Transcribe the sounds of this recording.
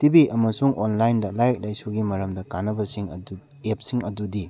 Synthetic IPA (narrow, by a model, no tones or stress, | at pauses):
tibiʔɐmɐsuŋʔonlajndɐlajk̚lajsuɡimɐɾɐmdɐkanɐbɐsiŋɐdu | ep̚siŋɐdudi